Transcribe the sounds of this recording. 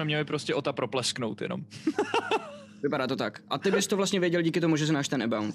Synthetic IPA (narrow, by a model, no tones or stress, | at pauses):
ɛmɲɛlɪpɾoscɛʔot̪apɾoplɛsknowt̪jɛ̰no̰m | vɪpadaːt̪o̞t̪akʔat̪ɪbɪst̪ovlast̪ɲɛvjɛɟɛlɟiːkɪt̪omuʒɛs̬ɪnaːʃt̪ɛnʔɛ̰bawn